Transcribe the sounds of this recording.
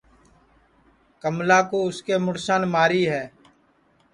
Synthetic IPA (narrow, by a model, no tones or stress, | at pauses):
kəmlaːkoːʊskeːmʊɽsaːnmaːɾiːɦɛː